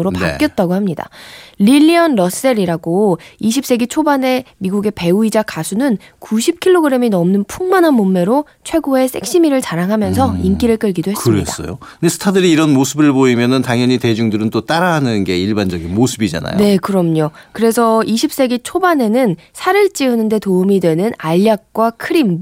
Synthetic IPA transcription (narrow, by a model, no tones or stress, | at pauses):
ɯɾopaa̰k͈jʌt̚t͈aɡohamɲida̰liʎːiʌnɾʌs͈eɾiɾaɡoiɕ̬ʰip̚s͈e̞ɡit͡ɕʰobane̞miɡuɡe̞pe̞uid͡ʑakasʰunɯnkuɕʰip̚kʰiɭːoɡɯɾe̞minʌmnɯnpʰuŋmanɦanmomːe̞ɾo | t͡ɕʰwe̞ɡoe̞s͈e̞k̚ɕ͈imiɾɯɭt͡ɕaɾaŋɦamjʌnsʰʌink͈iɾɯɭk͈ɯɭɡidoɦe̞sɯɾḛdas͈ʌ̰jo̰ | ndesʰɯ̥tʰadɯɾiːɾʌnmosʰɯbɯɭboimjʌnɯntaŋjʌɲite̞d͡ʑuŋdɯɾɯnt͈ot͈aɾaɦanɯnɡe̞iɭband͡ʑʌɡinmosʰɯbid͡ʑa̰na̰jnoe̞kɯɾʌmɲokɯɾe̞sʰʌiɕʰip̚s͈e̞ɡit͡ɕʰobane̞nɯn | sʰaɾɯɭt͡ɕ͈iɯnɯnde̞toumidwe̞nɯnaʎːak̚k͈wakʰɯɾim